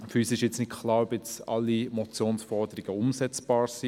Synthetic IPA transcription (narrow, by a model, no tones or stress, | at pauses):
fyːsɪʃjɪt͡snɪtkʰlɑːɾœpjɪt͡sɑ̰lːimɔt͡sjoːnsfɔrdəɾiɡ̥əʊmsɛt͡sb̥ɑːɾsi